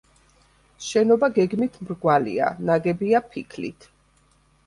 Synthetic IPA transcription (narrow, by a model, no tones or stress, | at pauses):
ʃɛnɔbaɡɛɡmit̪ʰmɾɡwalḭa̰naɡɛbiapʰikʰlḭt̪ʰ